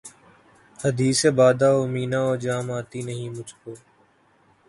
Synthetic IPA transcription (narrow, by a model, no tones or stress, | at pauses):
həd̪iːseːbaːd̪aːomiːnãːɔːɾd͡ʒaːmaːt̪inəɦĩːmʊd͡ʒʱkoː